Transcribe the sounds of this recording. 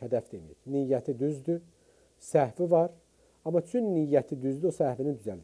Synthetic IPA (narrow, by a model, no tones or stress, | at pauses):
hæd̪æfd̪emḭiɾnijːæt̪ʰid̪yzd̪y | sæhvivɑɾ | ɑmɑt͡ʃʰynːijːæt̪ʰid̪yzd̪yosæhvinind̪yzæld̪